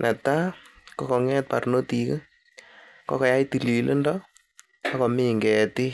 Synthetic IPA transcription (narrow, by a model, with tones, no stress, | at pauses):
nʔɛ˨ta˦kɔ˦kɔ˨ŋɛ˦t̚pa̰˨ɾno˦ti˨kə˦ | kɔ˦kɔ˨ja˦jti˨li˨lʔe˦ndɔ˦ | a˦kɔ˨mi˦ŋɡɛ˨ti˦